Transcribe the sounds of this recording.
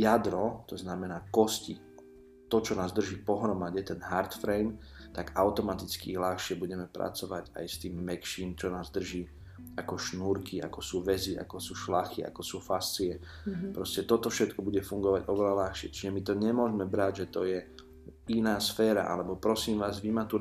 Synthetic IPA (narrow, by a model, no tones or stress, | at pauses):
jad̪ɾɔt̪ɔznamɛnaːkɔsci | t̪ɔt͡ʃɔnaːzd̪r̩ʒiːpɔɦɾɔmaɟɛt̪ɛnɦaɾt̪fɾɛjm | t̪aɡaʊt̪ɔmat̪it͡skḭlaxʃɪɛbuɟɛmɛpɾa̰t͡sɔʋaɟa̰jst̪iːmːɛkʃiːnt͡ʃɔnaːzd̪r̩ʒiː | akɔʃnuːɾkiʔa̰kɔsuːʋɛziʔa̰kɔsuːʃlaxiʔa̰kɔsuːfast͡siɛ | pɾɔscɛt̪ɔt̪ɔfʃɛt̪kɔbuɟɛfuŋɡɔʋaɟʔɔʋɛʎalaxʃɪɛ̰t͡ʃiʒɛmit̪ɔɲɛmʊɔʒmɛbɾaɟʒɛt̪ɔjɛ | inaːsfɛːɾa̰ʔa̰lɛbɔpɾɔsiːmʋaːzʋimat̪u